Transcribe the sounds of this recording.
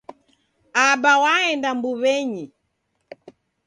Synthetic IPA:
abawaɛndambuβɛɲi

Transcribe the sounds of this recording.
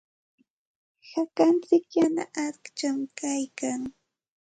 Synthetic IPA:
hakant͡sɪkjana̰ʔaɾkt͡ʃamkajkaŋ

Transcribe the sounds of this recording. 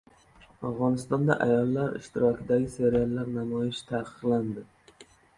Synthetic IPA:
afʁɒnɪst̪ɒnd̪a̰ʔajɒlˠːaɾɪ̰ʃt̪ɪɾɒkʲʰɪd̪aɡʲɪse̞ɾialˠːaɾnamɒjɪʃt̪ʰaqʰɨ̥qland̪ɪ

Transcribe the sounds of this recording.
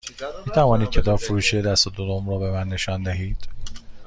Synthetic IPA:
miːt̪ʰævɒːniːd̪̚cʰe̞t̪ʰɒːbfoɾuːʃed̪æst̪od̪od̪omɾɔːbe̞mænːe̞ʃɒːnd̪æɦiːd̪̥

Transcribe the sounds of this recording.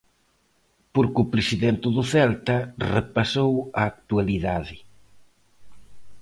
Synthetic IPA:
poɾkʊpɾɪsiðɛnt̪ɪðʊθɛlt̪ɐrepasowɐːk̚t̪ualiðaðɪ

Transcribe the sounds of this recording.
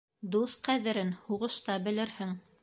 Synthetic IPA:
d̪uθqæðɘ̆ɾɘnhuʁɤ̆ʃt̪ɑbɘ̆lɘ̆ɾhɘŋ

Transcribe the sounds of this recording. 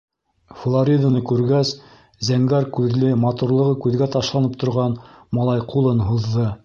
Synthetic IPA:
flˠoɾʲid̪anɤkʉɾɡæs | zæŋɡæɾkʉðlɘmɑt̪uɾlˠɤ̆ʁɤkʉðɡæt̪ɑʃlˠɑnɤp̚t̪ŏɾʁɑnmɑlˠɑjqulˠɤnɦuðːɤ

